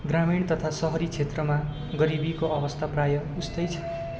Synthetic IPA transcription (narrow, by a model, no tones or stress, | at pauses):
ɡramiɳt̪ʌt̪ʰasʌɦʌɾit͡sʰet̪rʌma | ɡʌɾibikoʌbʌst̪ʰaprajʌust̪ʌjt͡sʰʌ̥